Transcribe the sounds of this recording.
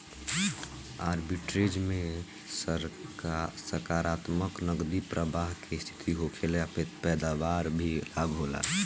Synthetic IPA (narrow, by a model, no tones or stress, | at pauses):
aːɾbiʈɾed͡ʒmẽ | səɾkaɾaːt̪məknəɡd̪ipɾəbaɦkest̪ʰi̥t̪ʰiɦokʰeleapɛpɛːd̪aʋaɾbʱilaɡɦola̰